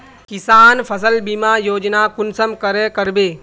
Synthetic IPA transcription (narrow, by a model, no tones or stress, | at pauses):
kisaːnpʰəsəlbimaːjoːd͡ʒnakunsəmkəɾekəɾbeː